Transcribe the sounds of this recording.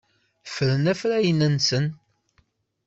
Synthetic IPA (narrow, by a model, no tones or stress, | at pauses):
fɾənæfɾæjənənsən